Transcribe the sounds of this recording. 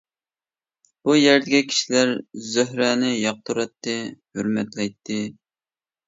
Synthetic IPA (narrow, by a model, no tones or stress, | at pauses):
b̥ujæɾd̪ɪɡʲɛkʲʰi̥ʃilæɾzøhɾɛnɪjɑq̚t̪ʰuɾɑt̪ːɪhøɾmɛt̪lɛjt̪ʰːɪ